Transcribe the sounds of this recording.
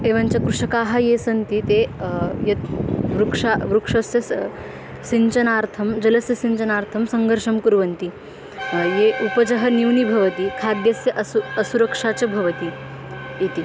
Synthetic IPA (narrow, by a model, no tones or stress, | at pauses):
eːʋaɲt͡ɕɐkɾuʂɐkaːɦɐjesɐnt̪it̪ejɐt̪̚ʋɾukʂaʋɾukʂɐsjɐ | siɲt͡ɕɐnaːɾt̪ʰɐmd͡ʑɐlɐsjɐsiɲt͡ɕɐnaːɾt̪ʰɐmsɐŋɡʱəɾʂɐmkuɾʋɐnt̪i | jeʔupɐd͡ʑɐɦɐniwnibʱɐʋɐt̪ikʰaːd̪jɐsjɐʔɐsuɐsuɾɐkʂaːt͡ɕɐbʱɐʋɐt̪i | it̪i